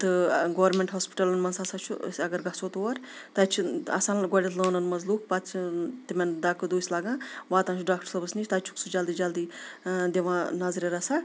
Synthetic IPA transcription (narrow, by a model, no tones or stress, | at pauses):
t̪ɨɡoːwɾmʲeɳʈɦoːspi̥ʈɐlɐnmɐnsasaːt͡ʃʰṵɐɡɐɾɡɐsoːt̪uwɐɾ | t̪ɐt͡ʃʰiɐ̰saːnɡɔɽʲit̪ʰləːnɐnmɐnzluːkʰpat̪t͡ʃʰit̪imʲɐnd̪aːkɨd̪oːsʲlaːɡãːʋaːt̪ãːnt͡ʃʰuɖaːk̚ʈəɾsɐbɐsnit͡ʃʰʲt̪ɐt͡ʃʰu̥ksʰud͡ʒɐld̪iːd͡ʒɐld̪id̪ʲeʋãːnɐzɾʲeɾɐsa